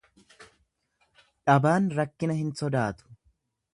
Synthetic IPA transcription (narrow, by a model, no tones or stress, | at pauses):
ᶑɐbaːnɾɐkːɪnɐhɪnsɔd̪aːt̪ʊ̥